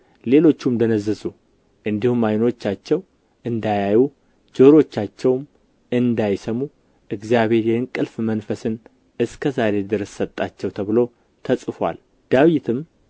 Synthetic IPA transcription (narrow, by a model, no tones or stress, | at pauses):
le̞lo̞t͡ʃːumd̪ənəzːɨzu | ʔɨnd̪ihumːajno̞t͡ʃːat͡ʃːɛw | ʔɨnd̪ajaju | d͡ʒoɾo̞t͡ʃːat͡ʃːɛwm | ɨnd̪ajsəmu | ʔɨɡzijaβhe̞ɾjɛɨŋkʼɨlfmənfəsɨn | ɨskʰəzaɾe̞d̪ɨɾəsːət̪ʼːat͡ʃːɛwt̪ʰəβɨlo̞ | t̪ʰəsʼɨfwa̰l | d̪̥awit̪ʰɨm